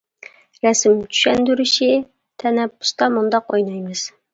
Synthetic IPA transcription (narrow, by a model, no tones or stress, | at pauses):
ɾæsɪmt͡ʃ̪ʰy̥ʃɛnd̪yɾyʃɪ | t̪ʰɛnɛpːʊ̥st̪ɑmund̪ɑqojnɑjmɨz̥